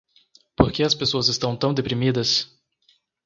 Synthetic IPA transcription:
poɾkeɐspesoɐzɪst̪ɐ̃w̃t̪ɐ̃w̃d̪epɾimid̪ɐs

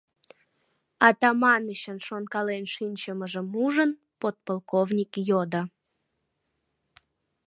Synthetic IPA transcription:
ɑt̪ɑmɑnəɕənʃonkɑlenʃinʲt͡ɕəməʒəmuʒən | pot̪̚polˠkovnʲikjod̪ə

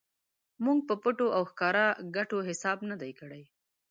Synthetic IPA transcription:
muŋɡ̚pəpəʈoʔawxkɑɾaɡaʈoɦɪsɑbnad̪ajkəɽaj

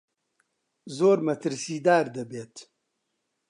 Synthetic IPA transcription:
zoːɾmɐt̪ʰɨɾsiːd̪aːɾd̪ɐbeːt̪

